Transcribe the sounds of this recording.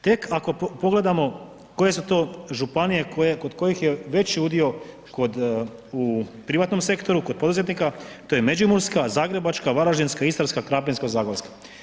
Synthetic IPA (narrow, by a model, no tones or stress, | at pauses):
t̪e̞kʰako̞po̞ɡle̞d̪amo̞ | ko̞je̞sut̪o̞ːʒupanije̞kojeko̞d̪ko̞jixje̞ʋe̞t͡ɕiud̪io̞ | ko̞d̪upɾiʋat̪no̞mse̞kt̪o̞ɾuko̞d̪̚po̞d̪uze̞t̪nikat̪ojeme̞d͡ʑumuɾskazaːɡɾe̞bat͡ʃkaʋaɾaʒinskaist̪aɾskakɾaːpʲenskazaːɡolskḁ